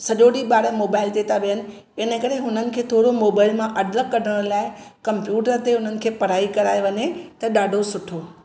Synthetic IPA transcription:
sɐʄoɗiɓaːɾəmoːbaːɪlt̪et̪ʰaʋijənɪ̆ | ɪnəkɐɾeɦʊnənɪ̆kʰeːt̪ʰoːɽomoːbaːɪlmãʔɐɖləkːɐɾəɽ̃laːɪkɐmpjuːʈəɾt̪eʊnənɪ̆kʰeːpɐɾ̤aːikɐɾaːeʋɐɲet̪ɐɗaːɖʱosʊʈʰoː

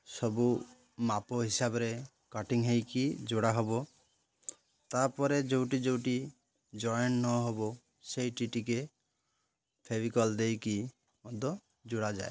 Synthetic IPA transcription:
sɔbu | mapoɦisabɔɾe | kɔʈiŋɦejkid͡ʒoɽaɦɔbo | t̪aɾpɔɾed͡ʒowʈid͡ʒowʈi | d͡ʒɔjɔnːɔɦɔbo | sejʈiʈike | pʰebikɔld̪ejki | mɔd̪ʱɔ | d͡ʒuɽad͡ʒae

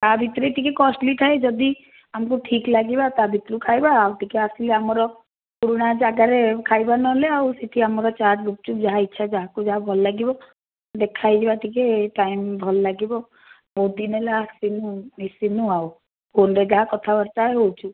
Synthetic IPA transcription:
t̪abʱit̪ɾeʈ̪ikekɔsʈliʈ̪ʰaed͡ʒɔd̪i | amkuʈʰiklaɡibat̪abʱit̪ɾukʰajbaːwʈikeasileamɔɾɔ | puɾuɽ̃ad͡ʒaɡaɾekʰajbanɔleawseʈʰiamɔɾɔt͡ʃad͡ʒluk̚t͡ʃʰud͡ʒaɦaitːʃʰad͡ʒaɦakud͡ʒaɦabʱɔlɔlaɡibɔ | d̪ekʰajd͡ʒebaʈikeʈaimbʱɔlɔlaɡibɔ | bod̪inelaɦasinumisinuaw | pʰonɾed͡ʒaɦakɔt̪ʰabɔɾt̪aeɦowt͡ʃʰu

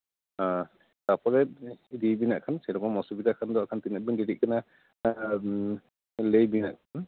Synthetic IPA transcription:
a | tapʰɔɾɛdibinaʔkʰansɛlɔkɔmɔsubid̪akʰand̪ɔakʰant̪inabindiɾiʔ̚kʰana | lejbina̰ʔkʰan

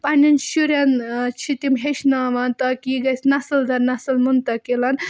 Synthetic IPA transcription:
panʲinʃuɾʲjant͡ʃʰit̪imɦeʃnaʋɐnt̪ɐkiɡɐsʲnɐsɐld̪ʱɐɾnɐsɐlmunt̪ɐkelɐn

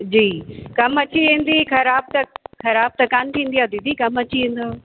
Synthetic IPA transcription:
d͡ʑiːkɐmɐt͡ɕiẽːn̆d̪ixɐɾaːb̚t̪ɐxɐɾaːb̚t̪ɐkaːnt̪ʰĩːn̆d̪ijaːd̪id̪ʱikɐmɐt͡ɕiĩːn̆d̪oː

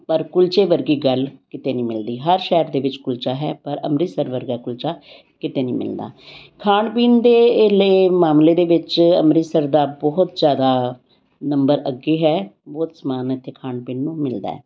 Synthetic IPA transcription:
pəɾkʊlt͡ʃeːʋəɾɡiːɡəlkɪt̪eːnĩːmɪld̪iːɦəɾʃɛːɾd̪eːʋɪt͡ʃkʊlt͡ʃaːɦɛ̰ːpəɾə̰mɾiːsəɾʋəɾɡaːkʊlt͡ʃaː | kɪt̪eːnḭ̃ːmɪ̰ld̪a̰ːkʰaːɳpiːnd̪eːleːmaːmleːd̪eːʋɪt͡ʃəmɾiːsəɾd̪aːbɔːt̪d͡ʒjaːd̪aː | nəmbəɾəɡːeːɦɛːbɔːt̪səmaːnɪt̪ʰːeːkʰaːɳpiːnːũːmɪld̪a̰ːɛ̰ː

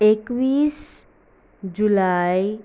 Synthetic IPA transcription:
ekwiːs | d͡ʒulaj

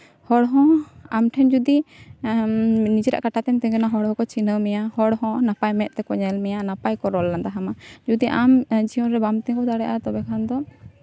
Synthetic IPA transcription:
hɔɽɦɔ̃amʈʰɛnd͡ʒud̪i | nid͡ʒɾa̰ʔkaʈat̪ɛnt̪ɛŋɡɛnaɦɔɽɦɔ̃kɔt͡ʃinəmɛjahɔɽɦɔ̃napajmɛʔ̪̚t̪ɛkɔɲɛlmɛjanapajkɔɾɔlːand̪aɦamad͡ʒud̪iʔamd͡ʒiɔnɾɛbamt̪ɛŋkɔd̪aɽɛʔat̪ɔbɛkʰand̪ɔ

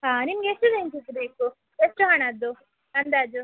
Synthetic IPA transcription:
ɦaːnimɐɡeesʈuɡent͡ʃisɐbeːku | esʈuɦaɳaːd̪u | ɐnd̪aːd͡ʒu

